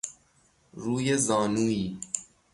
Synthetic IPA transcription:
ɾuːjezɒːnuːiː

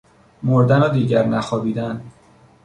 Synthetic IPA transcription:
moɾd̪ænɒːd̪iːɟæɾnæxɒːbiːd̪æn

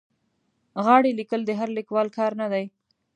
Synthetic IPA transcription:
ɣɑɽelikəld̪əɦaɾlɪkwɑlkɑɾnad̪aj

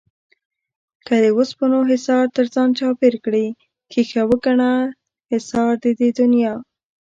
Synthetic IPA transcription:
kad̪əwospənoɦɪsɑɾt̪əɾzɑnt͡ʃɑpeɾkɽi | kixawəɡaɳa | hɪsɑɾd̪əd̪ed̪ʊnjɑ

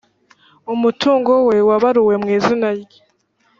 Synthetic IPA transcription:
umutʰuːŋɡowe̞waβaɾuwe̞mŋiːzinaje

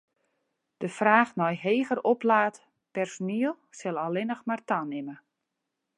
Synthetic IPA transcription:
d̥əfraːxnɔjɦeːɣəroplaːt | pɛrsoniəlˠsɛlˠalɪnəxmartanɪmə

